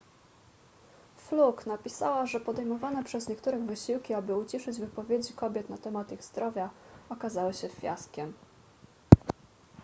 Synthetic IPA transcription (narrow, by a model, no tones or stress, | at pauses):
fluknapʲisa̰waʐɛpɔd̪ɛjmɔvanɛpʂɛzɲɛkt̪uɾɘɣvɘɕiwkʲiabɘut͡ɕiʂɘd͡ʑvɘpɔvʲjed͡ʑikɔbʲjɛt̪nat̪ɛmat̪iɣz̥d̪ɾɔvʲjaɔkazawɘɕɛfʲja̰skʲɛm